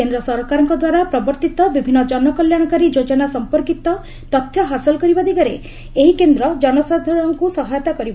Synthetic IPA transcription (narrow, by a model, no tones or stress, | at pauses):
end̪ɾɔsɔɾkaɾɔ̃ŋkɔd̪waɾapɾɔbɔɾt̪it̪ɔbibʱinːɔd͡ʒɔnɔkɔljaɽ̃ɔkaɾid͡ʒod͡ʒɔnasɔmpɔɾkit̪ɔ | t̪ɔt̪ʰjɔɦasɔlɔkɔɾibad̪ikaɾḛ | eɦikend̪ɾɔd͡ʒɔnɔsad̪ʱɔɽɔŋkusɔɦajɔt̪akɔɾibɔ